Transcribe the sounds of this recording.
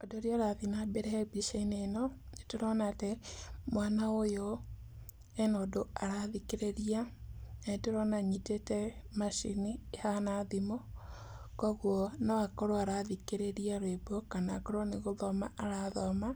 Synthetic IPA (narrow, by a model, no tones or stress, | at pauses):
odoɾiɔɾaðinabɛɾɛɛbiʃeinenɔnetoɾɔnatɛmwanaojo | ɛnodoaɾaðikeɾeɾia | etoɾɔnaɲitetɛmaʃḭniːhanaðimo | kɔɣwɔnawakɔɾoaɾaðikeɾeɾiaɾwebokanakɔɾoɔneɣoðɔma̰ʔaɾaðɔma